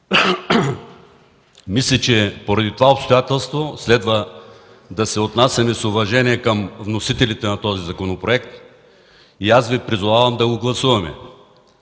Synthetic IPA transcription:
mislʲɛt͡ʃɛpoɾɐd̪it̪ovaopst̪ojat̪ɛlˠst̪voslɛd̪və | d̪ɐsɛot̪nasʲɐmɛsʊvɐʒɛniɛkəmvnosit̪ɛlit̪ɛnɐt̪ɔzizɐkonopɾoɛk̚t̪ | iasvipɾizovavɐmd̪ɐɡoɡlˠɐsuvɐmɛ̰

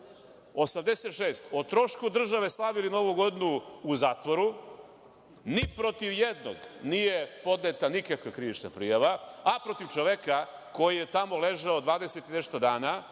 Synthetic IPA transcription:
o̞samd̪eset̪ʃeːst̪ot̪ɾo̞ʃkud̪r̩ʒaʋe̞slˠaʋilino̞ʋuɡo̞d̪inuːzaːt̪ʋoɾu | nipɾo̞t̪iʋjed̪no̰ɡnijepo̞d̪net̪anikakʋekɾiʋit͡ʃna̰pɾijaʋaapɾo̞t̪iʋt͡ʃoʋeka | ko̞jijet̪amo̞le̞ʒaod̪ʋaːd̪eset̪inest̪od̪aːna

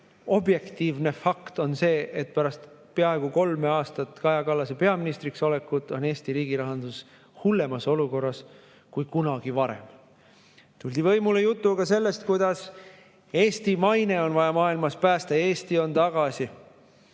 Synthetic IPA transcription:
o̞bje̞kt̪iːvne̞fɑkt̪o̞nse̞ːʔet̪̚pæɾɑst̪peɑe̞ɡ̥uko̞lmeɑːst̪ɑt̪kɑjɑkɑlːɑsepe̞ɑminist̪rikso̞le̞kːˑud̪̥o̞ne̞ːst̪iɾiːɡ̥iɾɑɦɑnd̪̥us | hulːe̞mɑso̞luko̞rːɑs | kujkunɑɡ̥ivɑɾḛm | t̪ulʲd̪ivɤ̞jmulejut̪ːˑukɑse̞lːe̞st̪kujd̪̥ɑs | e̞ːst̪imɑjne̞o̞nvɑjɑmɑːilmɑspæːst̪ɑe̞ːst̪io̞nt̪ɑɡ̥ɑsi

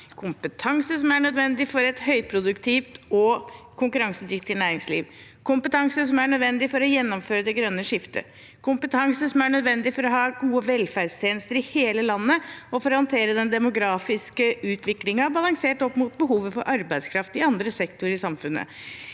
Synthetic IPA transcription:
kʰʊmpət̪ʰɑŋsəsɔmæɳœd̪ʋɛnd̪ɪfɔɾɛt̪hœʏpʰɾʊd̪ʉkt̪ʰɪft̪ɔ | kʰʊŋkʉɾɑŋsəd̪ɾʏkt̪ɪnæːɾɪŋslḭːʋ | kʰʊmpət̪ʰɑŋsəs̬ɔmæɳœd̪ʋɛnd̪ɪfɔɾɔjɛnːɔmføːɾəd̪ɛɡɾœnːəʂɪft̪ə̰ | kʰʊmpət̪ʰɑŋsəsɔmæɳœd̪ʋɛnd̪ɪfɔɾɔɦɑːɡuːəʋɛlfæɖst̪ʰjeːnəst̪əɾɪheːləlɑnːəɔfɔɾɔhɑnt̪ʰeːɾəd̪ɛnd̪ɛmʊɡɾɑːfɪskəʉːt̪ʰʋɪklɪŋɑbɑlɑŋseːʈɔpːmʊt̪̚bəɦuːʋəfɔɾʔɑɾbæɪskʰɾɑft̪ɪɑnd̪ɾəsɛkt̪ʊɾɪsɑmfʉnːə̰

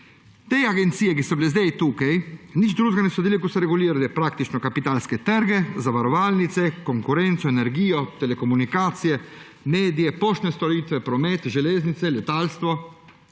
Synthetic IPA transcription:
t̪ejaɡent̪siːekisoblezd̪ɛjt̪ukejnit͡ʃd̪ɾuzɡanesod̪ilekuseɾeɡuliɾd̪epɾakt̪it͡ʃnokapit̪alsket̪ɛɾɡezavaɾovalnit̪sekoŋkuɾɛnt̪soeneɾɡiːot̪elekomunikat̪sie | mɛːd̪jepɔʃt̪nest̪olit̪vepɾomɛt̪ʒeleznit̪selet̪alst̪vo

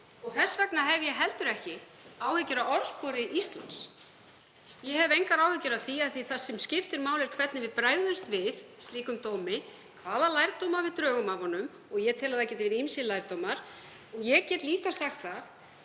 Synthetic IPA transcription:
ɔɣθɛsːvɛknaɦɛvjɛɦɛlt̪ʏɾɛhcɪ | aːwhʏcːʏɾaɔɾspɔɾɪʔist̪la̰ns | jɛɦɛvejŋkaɾaːwhʏcʏɾawθiaðθiθasːɛmscɪft̪ɪɾmaːwlɪɾ̥kʰvɛt̪nɪvɪðpɾaːjɣðʏnst̪vɪðst̪liːkʏmt̪oːwmɪ | kʰvaːðalaːjɾt̪owmaɾvɪðt̪ɾœːɣʏmavɔnʏm | ɔɣjɛt̪ʰɪlaðacɛːt̪vɛɾɪimsɪlajɾt̪owmaɾ̥ | ɔɣjɛcɛːt̪liːkasaxt̪θaθ

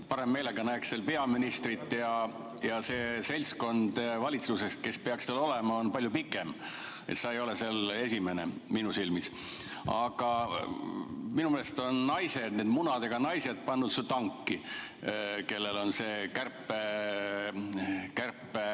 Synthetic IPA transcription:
pɑɾemːe̞ːleɡ̥ɑnæːksselpe̞ɑminist̪rit̪ːˑjɑ | jɑseːse̞lʲsko̞nd̪̥vɑlʲit̪sluse̞st̪̚ke̞spe̞ɑkst̪ɑlo̞lemɑo̞npɑlʲjupikːˑem | ḛt̪seejo̞lesele̞sʲime̞nḛminusilmis | ɑ̰ɡ̥ɑ | minumelest̪o̞nːɑjse̞d̪̥ne̞ːd̪̥munɑd̪eɡ̥ɑnɑjse̞d̪̥̚pɑnːut̪sut̪ɑŋkːi | ke̞lːe̞lo̞nse̞ːkærpːe | kærpːˑe

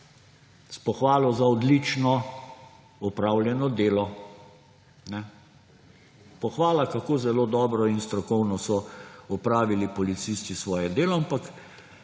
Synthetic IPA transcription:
spɔxʋaːlɔzaɔd̪lit͡ʃnɔ | ɔpɾaːwljɛnɔd̪eːlɔ | nɛ | pɔxʋaːlakakoːzɛloːd̪ɔːbɾɔinst̪ɾɔkɔwnɔsɔɔpɾaːʋilipɔlit̪sist̪isʋɔːjɛd̪eːlɔampak

